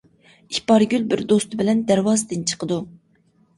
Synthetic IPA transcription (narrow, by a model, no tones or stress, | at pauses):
ikʲpɑɾɡʲylbɪɾd̪ost̪ɨbɪlɛnd̪æɾwɑːzɨd̪ɨnt͡ʃʰə̥qəd̪u